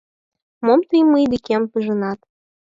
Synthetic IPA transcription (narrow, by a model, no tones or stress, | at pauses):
momt̪ɨjmɨjd̪ikʲempəʒɤ̆nɑt̪